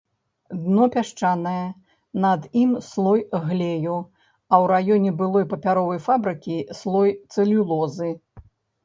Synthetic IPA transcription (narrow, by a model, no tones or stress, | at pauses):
d̪nɔpʲaʂt͡ʂanɐjɛ | nɐd̪imslˠɔjɣlʲeju | ɐwɾajɔnʲɛbɨlˠɔjpɐpʲaɾɔvɐjfabɾɨkʲislˠɔjt̪sɨlʲulˠɔzɨ